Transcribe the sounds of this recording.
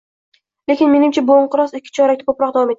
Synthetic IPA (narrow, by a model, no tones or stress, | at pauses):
le̞kʲɪnmenɪmt͡ʃʰaboɴqɨɾɒsɪkʲʰːɪ̥t͡ʃʰɒɾak̚ʲt̪ʰɪkʰopɾɒq̚d̪avɒme̞t̪ʰː